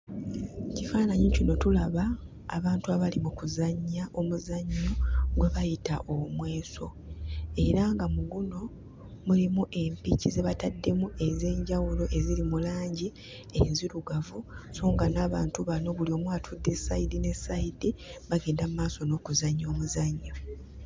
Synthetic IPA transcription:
cifaːnaɲicino̞tulaβa̰ː | βaːntuaβalimukuzaɲːaʔo̞muzaɲːo̞ɡweβajitaʔo̞mwe̞ːso̞ | e̞ɾaŋɡamuɡuno̞ | mulimuʔe̞mpicize̞βatadːe̞muʔe̞ze̞ːɲɟawulo̞ʔe̞zilimulaːɲɟi | enziɾuɡavusoːŋɡanaːβaːntuβano̞βulio̞mwaːtʰudːe̞saidine̞saidiβaɡeːndamumaːso̞no̞ːkuzaɲːo̞ːmuzaɲːo̞

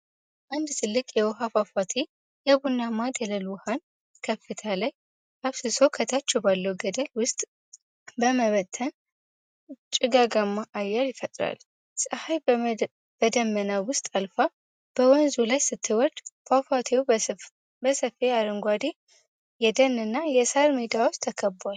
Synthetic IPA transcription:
ʔand̪t̪ʰɨlːɨkʼjɛwɔɦafafat̪ʰe | jɛbunːamad̪ələlwɔhan | kʰəfːɨt̪ʰalaj | ʔaβsɨso̞kʰət̪ʰat͡ʃːɛwbalːəwuɡəd̪əlwʊst̪ʼ | bəməβət̪ʰːən | t͡ʃʼɪɡaɡamːaʔajːɛɾjɪfət̪ʼɾa̰l | sʼəhaj | b̥əd̪əmːənawʊst̪ʼalfa | b̥əwɔnzulajsɨt̪ʰːɨwɔɾd̪fʰafat̪ʰeu | bəsəfeaɾɨŋɡʷad̪e | jɛd̪ənːɨnːajɛsaɾmed̪awɔt͡ʃt̪ʰəkʰəbwal

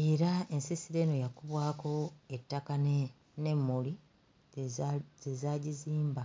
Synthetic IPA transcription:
e̞ːɾae̞nsisiɾe̞no̞jakuβwaːko̞etːakan | ne̞mːuli | zezaɟiziːmba

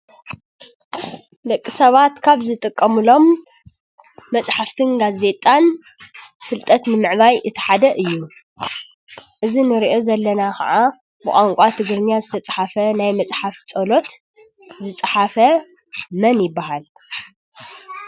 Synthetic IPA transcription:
lɐkʼːisɐβat̪kʰaβzɨt̪ʼɨkʼːɐmɨlo̞m | ɐt͡sʼħaft̪ʰɨnɡaze̞t̪ʼan | fɨlt̪ʼɐt̪nɨmɨʕβajʔɨt̪ʰɐ̥ħad̪ɐʔɨjːu | ʔɨzinɨɾiʔo̞zɐlːɐnakʰɐ̰ʕa | bɨkʼaŋkʷʼat̪ʰɨɡɾɨnjazɨt̪ʰɐt͡sʼɐħafɐnajmɐt͡sʼħaft͡sʼolo̞t̪ | zɨt͡sʼaħafɐ | mɐnjɪbːahal

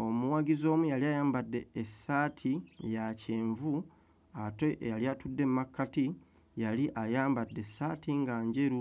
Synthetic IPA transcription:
o̞muwaɡizo̞ːmujaliajaːmbadːe̞ːsaːtʰijaceːɱvu | atoʔejaljatudːe̞mmakːati | jaliʔajaːmbadːe̞saːtʰiŋɡaːɲɟe̞ɾu

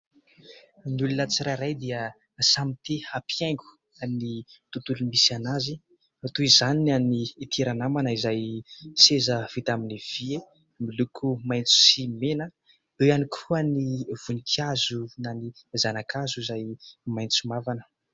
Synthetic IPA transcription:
nulunət͡siɾaɾajd̪iə | samit̪ehapʰiaŋɡu̥ | anit̪ut̪ulumisanazi | at̪uizanianiːt̪ʰeɾanamanəizajsezəv̥it̪aminiv̥ie | milukʰumajnt͡su̥simenə | eanikʰuəniv̥unikʰazunanizanakʰazuizajmajnt͡sumavanə̥

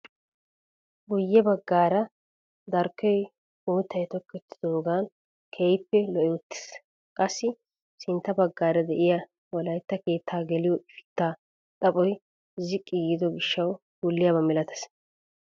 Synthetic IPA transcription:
ɡʊjːɛbɐɡːaːɾɐ | d̪ɐɾkːɔj | muːt̪ːɐjt̪ɔkːɛt̪ːɪ̥d̪oːɡaːn | kʰejpːɛlɔʔɛwʊt̪ːɪ̥s | kʼɐsːɪ | sɪnt̪ːɐbɐɡːaːɾɐd̪ɛʔɪjɐ | wɔlɐjt̪ːɐke̞ːt̪ʰːaːɡɛlɪjɔʔɪfɪ̥t̪ːaː | t̪ʼɐpʼɔj | zɪkʼːɪɡɪd̪ɔɡɪʃːɐw | ɡ̥ʊlːɪjɐːbɐmɛlɐt̪ɐ̥s

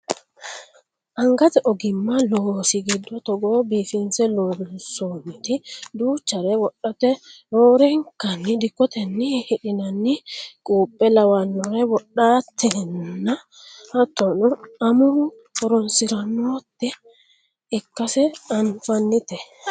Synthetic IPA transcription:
ʔɐŋɡɐt̪ɛʔɔɡɪmːɐloːsɪɡɪd̪ːɔt̪ɔɡoːbiːfɪnsɛloːɡnsoːnt̪ɪd̪uːt͡ʃːɐɾɛwɔɗːɐt̪ɛɾoːɾɛŋkɐnːɪd̪ɪkːɔt̪ɛnːɪhɪᶑɪnɐnːɪkʼuːpʼːɛlɐwɐnːɔɾɛwɔɗːaːt̪ːɛnːɐ | hɐt̪ːɔnɔɐmʊ | ɔɾɔnsɪɾɐnːot̪ːɛː | kːɐsɛɐnfɐnːɪt̪ɛ

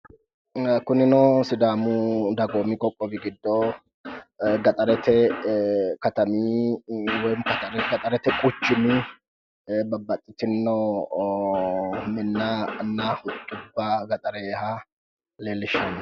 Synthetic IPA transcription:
kʊnɪnɔsɪd̪aːmʊd̪ɐɡoːmɪkʼɔkʼːɔbɪɡɪd̪ːɔ | ɡɐt̪ʼɐɾɛt̪ɛ | kɐt̪ɐmiːwɔjmkɐt̪ɐɾɛɡɐt̪ʼɐɾɛt̪ɛkʼʊt͡ʃːɪmɪ | bɐbːɐt̪ʼːɪt̪ɪnːɔ | mɪnːanːahʊt̪ʼːʊbːaɡɐt̪ʼɐɾɛha | leːlːɪʃɐn

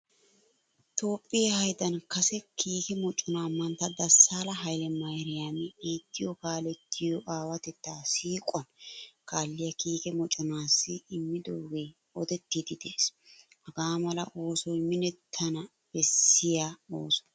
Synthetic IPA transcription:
t̪o̞ːpʼːɪjɐhɐjd̪ɐnkɐsɛkʰiːkɛmɔt͡ʃʼːʊnaːmɐnt̪ːɐd̪ɐsːaːlɐɦɐjlɛmɐjɾɪjaːmɛbiːt̪ːɪjɔkaːlɛt̪ːɪjɔʔaːwɐt̪ɛt̪ːaːsiːkʼɔnkaːlːɪjɐkiːkɛmɔt͡ʃʼɔnaːsːɪɪmːɪd̪oːɡeː | ɔd̪ɛt̪ːid̪ɪd̪eːshɐɡaːmɐlɐʔo̞ːsɔjmɪnɛt̪ʰːɐnɐ | b̥ɛsːɪjaoːsɔ̥

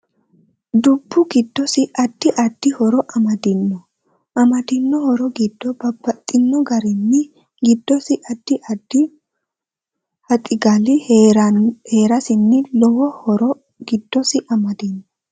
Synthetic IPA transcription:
d̪ʊbːʊɡɪd̪ːɔsɪʔɐd̪̥ːɪʔɐd̪̥ːɪhɔɾɔʔɐmɐd̪ɪnːɔ | ʔɐmɐd̪ɪnːɔhɔɾɔɡɪd̪ːɔbɐbːɐt̪ʼːɪnːɔɡɐɾɪnːɪ | ɡɪd̪ːɔsɪʔɐd̪̥ːɪʔɐd̪ːɪ | hɐt̪ʼɪɡalɪ | heːɾɐsɪnːɪlɔwɔhɔɾɔ | ɡɪd̪ːɔsɪʔɐmɐd̪ɪnːɔ

